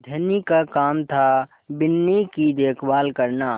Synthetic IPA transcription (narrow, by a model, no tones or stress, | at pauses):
d̪ʱənikakaːmt̪ʰa | bɪnːikid̪eːkʰbaːlkəɾna